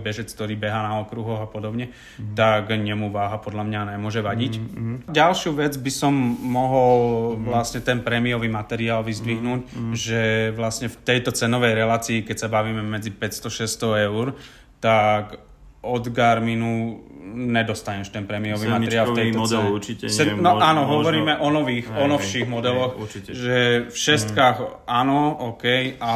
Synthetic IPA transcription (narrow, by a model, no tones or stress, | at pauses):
bɛʒɛt͡sk̚t̪ɔɾiːbɛɦaːnaɔkɾuɦɔɣapɔd̪ɔbɲɛ | t̪aɡɲɛmuʋaːɦapɔd̪ʎamɲanɛmʊɔʒɛʋaɟicɟalʃuʋɛd͡zbisɔmːɔɦɔlʋlasɲɛt̪ɛnpɾɛmiɔʋiːmat̪ɛɾiaːlʋizd̪ʋiɦnuːɟʒɛʋlasɲɛft̪ɛjt̪ɔt͡sɛnɔʋɛjɾɛlaːt͡siːkɛcsabaʋiːmɛmɛd͡zipɛcst̪ɔʃɛst̪ɔɛʊɾ | t̪ak | ɔd̪ɡaɾminu | ɲɛd̪ɔst̪aɲɛʃt̪ɛnpɾɛmiɔʋiːmat̪ɛɾɾɪaːlɛjtɔt͡sɛuiɛsɛnɔaːnɔɦɔɔɾiːmɛʔɔnɔʋiːxɔnɔʃiɣmɔd̪ɛlɔxʒɛfʃɛst̪kaːɣanɔɔːkɛja